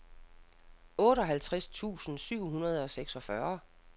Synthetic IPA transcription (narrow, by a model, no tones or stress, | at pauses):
ɔ̽ːdɾɒ̽ɦælt͡sʰʁast͡sʰṵːsn̩syʊ̰ɦunɐð̞ˠɒ̽seɡ̥sɒ̽fɶɐ